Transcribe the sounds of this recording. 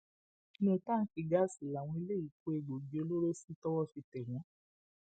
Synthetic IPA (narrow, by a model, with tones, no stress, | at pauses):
nĩ˦˧˦tã˦˨˦ki˨ɡa˦si˨la˨w̃ɔ̃˧i˧le˦i˨ko˨˦e˨ɡ͡bo˨d͡ʒi˨o˧lo˦ɾo˦si˦tɔ˦wɔ˦fi˧tɛ˨ɾ̃ɔ̃˨˦